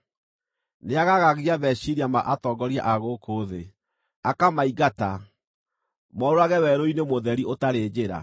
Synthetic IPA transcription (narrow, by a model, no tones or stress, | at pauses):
neaɣaɣaɣiaβɛɕiɾiamaʔatɔːɡɔɾia̰ʔaɣokʰoːðe | akamaiɣata | mɔɾoɾaɣɛwɛɾoinemoðɛɾiotaɾeːd͡ʑeɾa̰